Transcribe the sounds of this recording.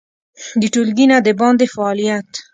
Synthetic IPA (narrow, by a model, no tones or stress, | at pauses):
d̪əʈulɡinad̪əbɑnd̪efaːlijat̪